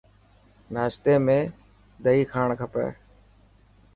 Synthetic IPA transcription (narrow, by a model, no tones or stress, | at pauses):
naːʃt̪eːmẽː | d̪əiːkʰaːɳkʰəpḛː